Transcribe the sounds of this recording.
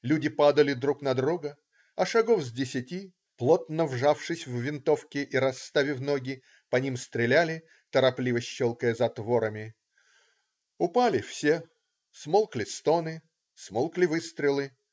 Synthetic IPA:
lʲudʲɪpad̪əlʲɪd̪ɾuknɐd̪ɾuɡə | ɐʂɐɡofzʲdʲɪsʲɪtʲi | plˠot̪nəvʐafʂɨsʲvːʲɪnt̪ofkʲɪʔiɾɐst̪avʲɪvnoɡʲɪ | pɐnʲimst̪ɾʲɪlʲælʲɪ | t̪əɾɐplʲivəɕːolˠkəjəzɐt̪voɾəmʲɪ | ʊpalʲɪfsʲe | smolˠklʲɪst̪o̞nɨ | smolˠklʲɪvɨst̪ɾʲɪlˠɨ

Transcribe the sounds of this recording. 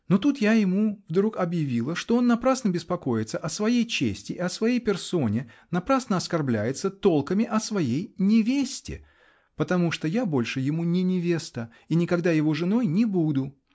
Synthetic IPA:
no̞t̪ut̪jajɪmuvd̪ɾukɐbjɪvʲilˠəʂt̪o̞o̞nːɐpɾasnəbʲɪspɐko̞jɪt̪səʔɐsvɐjejt͡ɕḛsʲtʲɪʔɪɐsvɐjejpʲɪrso̞nʲɪnɐpɾasnəɐskɐrblʲæ̰jɪt̪sət̪o̞lˠkəmʲɪʔɐsvɐjejnʲɪvʲesʲtʲɪ̰ | pət̪ɐmuʂt̪ojabo̞lʲʂɨjɪmunʲɪnʲɪvʲe̞st̪ə | inʲɪkɐɡd̪ajɪvo̞ʐɨno̞jnʲɪbud̪ʊ

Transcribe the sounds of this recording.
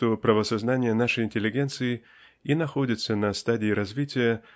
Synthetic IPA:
t̪opɾəvəsɐznanʲɪjənaʂəjɪnʲtʲɪlʲːɪɡʲent̪sɨɪ | inɐxo̞dʲɪt̪sənɐst̪adʲɪːɾɐzvʲitʲɪjə

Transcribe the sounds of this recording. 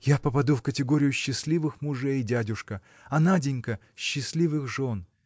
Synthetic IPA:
japəpɐd̪ufkətʲɪɡo̞ɾʲɪjʊɕːɪsʲlʲivɨxmʊʐɛjdʲadʲʊʂkə | ɐnadʲɪnʲkə | ɕːɪsʲlʲivɨxʐo̞n

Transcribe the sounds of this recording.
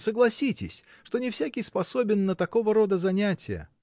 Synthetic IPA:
səɡlˠɐsʲitʲɪ̰sʲ | ʂt̪o̞nʲɪfsʲakʲɪjspɐso̞bʲɪnːət̪ɐkovəɾo̞d̪əzɐnʲætʲɪjə̰

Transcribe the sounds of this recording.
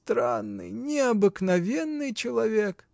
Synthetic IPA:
t̪ɾanːɨ̰jnʲɪɐbɨknɐvʲenːɨjt͡ɕɪlˠɐvʲek

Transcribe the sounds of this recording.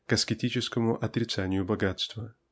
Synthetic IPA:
kɐskʲɪtʲit͡ɕɪskəmʊʔɐt̪ɾʲɪt̪sanʲɪjʊbɐɡat̪st̪və

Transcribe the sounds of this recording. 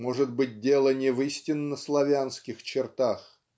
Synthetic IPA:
mo̞ʐɨt̪bɨt̚ʲdʲe̞lˠənʲɪvɨsʲtʲɪnːəslˠɐvʲanskʲɪxt͡ɕɪrt̪ax

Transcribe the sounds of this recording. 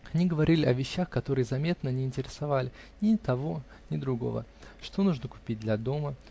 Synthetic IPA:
ɐnʲɪɡəvɐɾʲilʲɪɐvʲɪɕːaxkɐt̪o̞ɾɨjəzɐmʲe̞t̪nənʲɪːnʲtʲɪɾʲɪsɐvalʲɪ | nʲɪt̪ɐvo̞ | nʲɪd̪ɾʊɡo̞̰və̰ʂt̪o̞nuʐnəkʊ̥pʲit̚ʲd̪lʲɐd̪o̞mə

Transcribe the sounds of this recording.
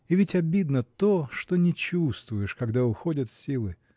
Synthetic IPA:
ɪvʲɪtʲɐbʲid̪nət̪oʂt̪onʲɪt͡ɕust̪vʊjɪʂkɐɡd̪aʊxo̞dʲət̪fʲsʲilˠɨ

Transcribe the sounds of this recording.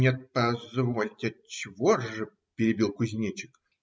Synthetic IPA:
nʲet̪̚pɐzvolʲkʲɪɐt͡ɕɪvoʐɨ | pʲɪɾʲɪbʲilˠkʊzʲnʲet͡ɕɪ̥k

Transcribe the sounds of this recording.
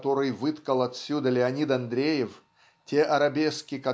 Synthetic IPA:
t̪o̞ɾɨjvɨt̪kəlˠɐt̪sʲud̪əlʲɪɐnʲid̪ɐnd̪ɾʲejɪf | tʲe̞ʔɐɾɐbʲeskʲɪkɐ

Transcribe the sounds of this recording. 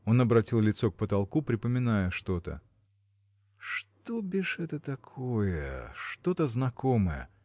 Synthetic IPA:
o̞nɐbɾɐtʲilˠlʲɪt̪sok̚pət̪ɐlˠkupɾʲɪpəmʲɪnajəʂt̪o̞t̪ə̰ | ʂt̪obʲɪʂɛt̪ət̪ɐkʰojəʂt̪o̞t̪əznɐko̞məjə̰

